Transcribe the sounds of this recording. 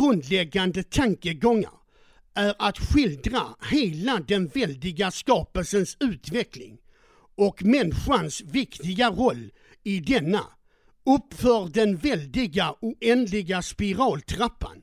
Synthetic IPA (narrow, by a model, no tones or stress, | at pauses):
ɡ̥ɾɵnd̪lɛɡːand̪ət̪ʰaŋkəɡɔŋːa̰ɾ | ʔæɾʔat̪ɧɪld̪ɾaheːlad̪ɛnvɛld̪ɪɡaskɑːpəlsənsʉ̟ːt̪vɛklɪ̰ŋ | ɔkmɛnɧansvɪkt̪ɪɡaɾɔlː | ɪd̪ɛnːa̰ | ɵpːfœːɾd̪ɛnvɛld̪ɪɡauʔɛnd̪lɪɡaspɪɾɑːlt̪ʰɾapːa̰n